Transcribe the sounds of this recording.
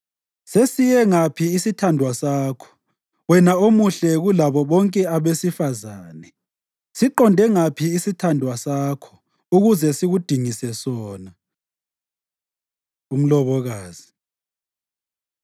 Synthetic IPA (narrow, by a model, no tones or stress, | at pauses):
sesijɛŋapʰiːsitʰandʱwasaːkʰɔ̥ | wɛnaomuɬɛɣulaβɔβɔŋkʼɛaβesifazaːnɛ | siǃɔndʱɛŋapʰiːsitʰandʱwasaːkʰɔ̥ | uɣuzɛsiɣud̥ʱiŋisɛsɔːna | um̩lɔβɔɣaːz̥i̥